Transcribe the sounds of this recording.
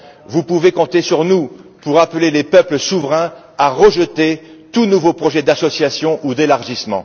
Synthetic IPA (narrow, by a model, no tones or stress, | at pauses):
vupuvekɔ̃t̪esyʁnupuʁaplelepœpləsuvʁɛ̃ | aʁəʒət̪et̪unuvopχɔʒɛd̪asɔsjasjɔ̃ʔud̪elaʁʒismɑ̰̃